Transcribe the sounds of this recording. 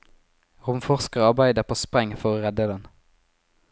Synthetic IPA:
ʁʊmfɔʁskəʁɑʁbæɪd̪əʁpʰoːspʁɛŋfɔʁoːʁɛd̪əd̪ɛn

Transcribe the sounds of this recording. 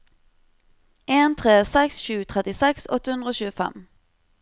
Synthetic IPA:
ʔeːnt̪ʰʁeːsɛksʃʉːt̪ʰʁɛt̪ɪsɛksɔt̪əhʉnd̪ʁəoːʃʉːəfɛ̰m

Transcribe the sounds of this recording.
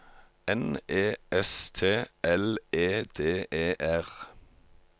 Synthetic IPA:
ɛneːɛst̪ʰeːʔɛleːd̪̥eːʔeːʔæʁ

